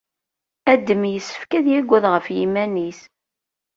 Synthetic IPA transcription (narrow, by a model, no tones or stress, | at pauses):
æd̪ːəmjəsːə̥fkæðjæɡʷːæðʁəfjḭmænis